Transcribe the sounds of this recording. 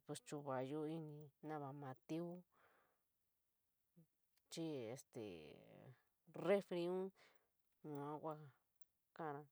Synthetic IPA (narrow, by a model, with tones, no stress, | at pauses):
pe˧st͡ʃu˧βa˨jo˦i˦nĩ˧nã˦βa˧mã˨˧t̪i˦u˦ | t͡ʃi˦ḛ˨st̪ḛ˨ | re˦fɾi˧˦ũ˦ | nũ˧ã˦kʷa˦ | kã˦˧ɾã˧